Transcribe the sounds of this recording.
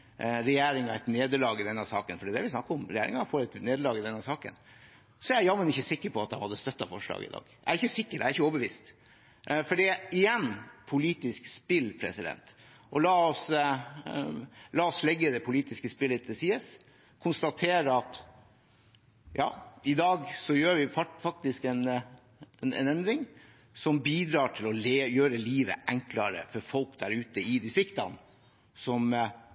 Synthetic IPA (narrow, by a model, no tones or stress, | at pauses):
ɾɛjeːɾɪŋɑɛt̪neːd̪əlɑːɡɪd̪ɛnːəsɑːkənfɔɖɛːd̪ɛʋɪsnɑkːəɔmɾɛjeːɾɪ̰ŋɑfoːɾɛt̪neːd̪əlɑːɡɪd̪ɛnːəsɑːkə̰n | sɔææɾjɑːmənɪçːəsɪkːəɾpɔɑt̪̚d̪ɑ̰hɑd̪ːəst̪œt̪ːɑfɔʂlɑ̰ːɡɪ̰d̪ɑ̰ːɡ̥ | æ̰ɾɪçːəsɪkːəɾæɾɪçəɔːbəʋiːst̪ | fɔɖiɪjɛnːpʰʊliːt̪ɪskspɪlpʰɾɛ̰sɪd̪ɛ̰nt̪ | ʔɔlɑːɔs | lɑːɔslɛɡːəd̪ɛpʰʊliːt̪ɪskəspɪlət̪ʰəsiːəs | kʰʊnst̪ɑt̪ʰeːɾəɑt̪ | jɑ̰ːɪd̪ɑːɡsɔjøːʋɪffɑk̚t̪ɪskɛn | ɛnɛ̰nɛnd̪ɾɪŋ | sɔmbiːd̪ɾɑːʈʰɪlɔleːjøːɾəliːʋə̰ʔɛŋklɑɾə̰fɔɾfɔlkd̪æɾʉːt̪əɪd̪isɪkt̪ɑ̰n | sɔm